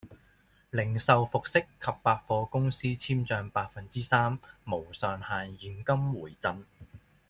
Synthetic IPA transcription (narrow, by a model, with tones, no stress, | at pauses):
lɪ˨˩ŋsɐ˨wfʊ˨k̚sɪ˥kʰːɐ˨pːaː˧t̚fɔː˧kʊ˥ŋsiː˥t͡sʰiː˥mt͡ʃœː˧ŋpaː˧t̚fɐ˨nt͡siː˥saː˥mːo˨˩wsœː˨˩ŋhaː˨njiː˨˩nkɐ˥mwuː˨˩jt͡sɐ˧n